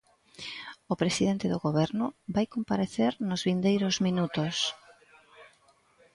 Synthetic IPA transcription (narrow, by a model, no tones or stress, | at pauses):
ʊpɾesiðent̪ɪðoɣoβɛɾnʊbajkompaɾeθeɾnʊzβind̪ejɾʊzminut̪os